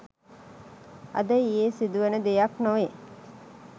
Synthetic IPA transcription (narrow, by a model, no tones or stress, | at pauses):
ɐ̰d̪əijeːsid̪uʋenəd̪ejaknoʋe